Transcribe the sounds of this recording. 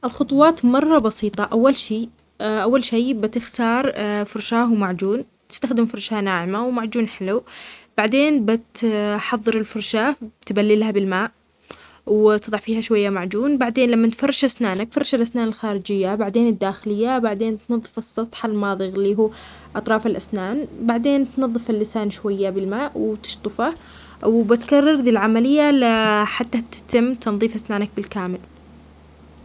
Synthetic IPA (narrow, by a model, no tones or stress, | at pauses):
ʔɪlxʊt̪ˤuwɑːt̪mɑrˤːɑbɑsiːt̪ˤɑʔawːalʃiː | ʔawːalʃeːbɪt̪ɪxt̪ɑːɾˤfʊɾˤʃaːhwmaʕd͡ʒuːn | t̪ɪ̥st̪axd̪ɪmfʊɾˤʃanaːʕɪmawmaʕd͡ʒuːnħɪlub̥aʕd̪eːnbɪt̪ħɑðˤːɨɾɪlfʊɾˤʃaːbt̪balːɪlhabɪlmaːʔ | wt̪ɨðˤɑʕfiːhaʃwajːamaʕd͡ʒuːnbaʕd̪eːnlamːant̪fɑrˤːɑʃʔasnaːnakfɑrːˤɑʃalʔasnaːnɪlxaːɾɪd͡ʒɪjːabaʕd̪eːnɪd̪ːaːxɪlɪjːabaʕd̪eːnt̪nɑðˤːɨfɨsˤːɑt̪ˤħalmɑːðˤɨɣlːiːɦuː | ʔɑt̪ˤɾˤɑːfalʔasnaːnbaʕd̪eːnt̪nɑðˤːɨfalːɪsaːnʃwajːabɪlmaːʔwɪt̪ɪ̥ʃt̪ˤɨfa | wbɪt̪kɑrˤːɑɾˤd̪iːlʕamalɪjːalaħat̪ːat̪ɪ̥t̪ɪmːt̪ɑnðˤiːfʔasnaːnak̚bɪlkaːmɪl